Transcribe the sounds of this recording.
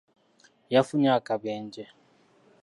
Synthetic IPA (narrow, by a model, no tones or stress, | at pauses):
jafuɲakʼabɛːnd͡ʒɛ